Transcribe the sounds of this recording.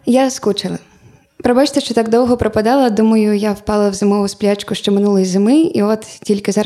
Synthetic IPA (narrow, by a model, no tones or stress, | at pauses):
jaskut͡ʃɐlˠɐ | pɾɐbat͡ʃt̪ɐʃt͡ʃɔt̪aɡd̪ɔwɣɔpɾɐpad̪alˠɐd̪umɐjʊjawpalˠɐwzɨmɔvʊsplʲat͡ʃkʊʂt͡ʃɔmɨnulˠɐjzɨmɪiɔt̪t͡sʲilʲkʲɪza